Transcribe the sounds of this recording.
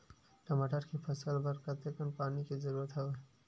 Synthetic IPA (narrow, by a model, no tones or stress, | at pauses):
ʈɐmaːʈəɾkipʰɐsəlbəɾkɐt̪ekənpaːnikizɐɾuːɾət̪ɦɛ